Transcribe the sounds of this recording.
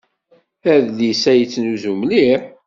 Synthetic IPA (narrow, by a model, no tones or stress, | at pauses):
æðlisæjt͡sːnuzumliɾ